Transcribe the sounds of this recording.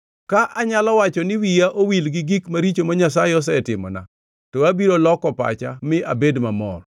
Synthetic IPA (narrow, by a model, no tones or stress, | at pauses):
kaʔaɲalɔwat͡ʃɔnɪwijaʔowilɡɪɡikmaɾit͡ʃomaɲasajɪɔs̬ɛtɪmɔ̰na̰ | tɔabiɾolɔkɔpa̰t͡ʃa̰mɪa̰bedmamɔ̰r